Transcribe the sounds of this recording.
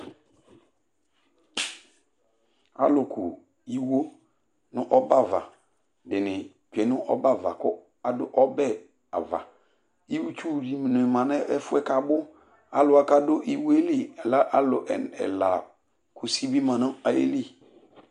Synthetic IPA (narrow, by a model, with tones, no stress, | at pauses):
a̰˦lʊ˨kʊ̰˨ | i˨wo˦ | nʊ˦ʔɔ˦ba˦˨va̰˨ | dɪ˨nɪ˨ | t͡ʃɛ˨˦nʊ˦ʔɔ̰˦ba˦˨va˨kʊ˦ | a˨dʊ˦ʔɔ˦bɛ˦ | a̰˨va̰˨ | i˦wu˦t͡ʃu˦˨di˨m˨nʊ̃˨mã˨nɛ˦ɛ˦fʊ˦ɛ˦ka˨bʊ˦ | a̰˦lʊ˨a˨ka˦dʊ˦ʔi˦wo˦e˦li˦˨ɛ˨la˦ʔa˦lʊ˨ʔɛ˨nɛ̰˨la̰˨ | kʰʊ˨si˦bi˦mã˨nʊ̃˦a˨ḛ˦li˦